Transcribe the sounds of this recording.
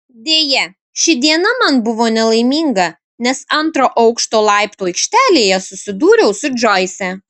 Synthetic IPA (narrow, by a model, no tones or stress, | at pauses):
d̪ʲeːjɛ | ʃʲɪd̪ʲiɛnɐmɐnbʊʋoːnʲɛlˠɐɪmʲiːŋɡɐ | nʲɛsɐnˑt̪ɾoːʔɐʊkʃt̪oːlˠɑˑɪpt̪uɐɪkʃʲt̪ʲæːlʲeːjɛsʊsʲɪd̪uːɾʲɛʊsʊd͡ʒoːɪsʲɛ